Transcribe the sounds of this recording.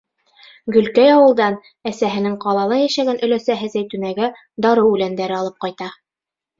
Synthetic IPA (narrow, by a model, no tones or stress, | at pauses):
ɡɵ̆lkæjɑwɤ̆lˠd̪ɑn | æsæɦɘ̆nɘŋqɑlˠɑlˠɑjæʃæɡænʔɵ̆læsæɦɘzæjt̪ʉ̆næɡæ | d̪ɑɾɤwʉlænd̪æɾɘɑlˠɤp̚qɑjt̪ɑ